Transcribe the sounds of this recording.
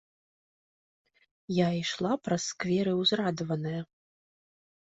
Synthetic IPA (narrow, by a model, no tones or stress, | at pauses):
jaiʂlˠapɾɐsːkvʲɛɾɨwzɾad̪vɐnɐjɐ